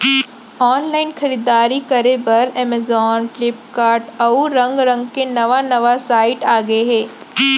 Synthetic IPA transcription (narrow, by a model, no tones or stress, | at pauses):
ɔːnlaːɪnxɐɾiːd̪aːɾikɐɾebɐɾɛmezɔːnʈlɪpkaːɾʈɐuɾɐ̃ŋɡɾɐ̃ŋɡkenɐʋanɐʋasaːɪʈaːɡɐeɦɛ̃ː